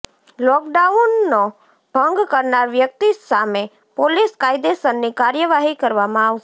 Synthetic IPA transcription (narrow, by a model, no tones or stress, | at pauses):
lɔk̚ɖaunːo | bʱəŋɡkəɾnaɾʋjək̚t̪isame | poliskajd̪esənːikaɾjəʋaɦikəɾʋamãaʋʃe